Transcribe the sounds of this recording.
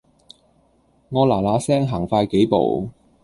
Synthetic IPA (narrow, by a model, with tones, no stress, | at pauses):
ŋɔː˨˧laː˨˩laː˨˧sɛː˥ŋɦaː˨˩ŋfaː˧jke˨˥jpo̰˨w